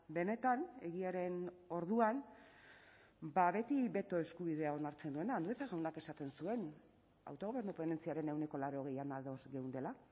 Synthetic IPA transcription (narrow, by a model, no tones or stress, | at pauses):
be̞ne̞t̪ane̞ɣ̞iaɾe̞no̞ɾð̞uan | baβe̞t̪iβe̞t̪o̞e̞skuβiðe̞ao̞naɾt͡se̞nd̪ue̞naːnd̪uet̪aɣawnake̞sat̪e̞nsue̞n | a̰wt̪o̞ɣ̞o̞βe̞ɾnopene̞nt͡siaɾe̞ne̞wne̞ko̞laɾo̞ɣe̞janalðo̞zɣe̞wnd̪e̞la